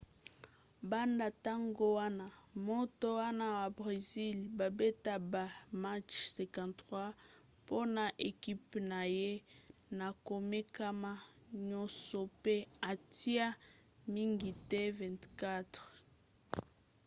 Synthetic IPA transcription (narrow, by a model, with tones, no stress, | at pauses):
ba˦nda˨ta˦ŋɡo˦wa˦na˨mo˦to˦wa˦na˦wa˨bʁe˨zi˦lba˨be˦ta˦ba˨ma˦t͡ʃsɛ̃˨kã˨nwa˦ | po˦na˨ʔe˨ki˦pna˨je˦ | na˨ko˨me˦ka˦ma˦ | ɲɔ˦sɔ˨pe˦a˨ti˦a˦ | mi˦ŋɡi˨tɛ˦vɛ̃˨ntka˦tʁ